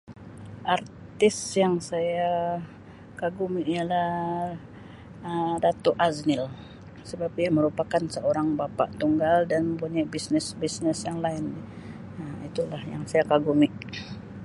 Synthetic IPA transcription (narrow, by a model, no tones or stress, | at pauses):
ʔart̪ɪsjaŋsaja | kaɡumiʔialah | ədat̪oʔaznɪl | səbap̚diaməɾupakansəoɾaŋbapa̰ʔt̪uŋɡaldanməmpuɲajbisnɪsbisnɪsjaŋlaɪn | əit̪ulahjaŋsajakaɡumiʔ